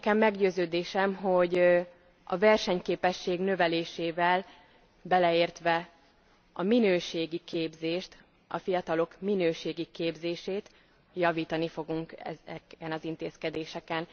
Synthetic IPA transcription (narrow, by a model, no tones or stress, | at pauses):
kɛmːɛɡɟøːzøːd̪eːʃɛmɦo̞ɟ | ɒ̰vɛrʃɛɲkeːpɛʃːeːɡnø̞vɛleːʃeːvɛl | bɛlɛeːrt̪ʋɛ | ɒminøːʃeːɡikeːbzeːʃt̪ | ʔɒ̰fijɒt̪ɒlo̞kminøːʃeːɡikeːbzeːʃeːt̪ | jɒviːt̪ɒnifo̞ɡuŋkɛɛnɒzint̪eːskɛd̪eːʃɛkɛn